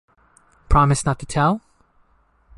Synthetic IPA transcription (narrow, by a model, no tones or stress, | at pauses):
pʰɹ̥ɑmɨsnətʰɨtʰɛlˠ